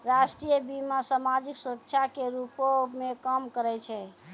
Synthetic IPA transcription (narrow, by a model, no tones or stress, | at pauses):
ɾasʈɾijəbimasamad͡ʒiksuɾək̚t͡ʃʰakeɾupomekəmkəɾɛt͡ʃʰɛ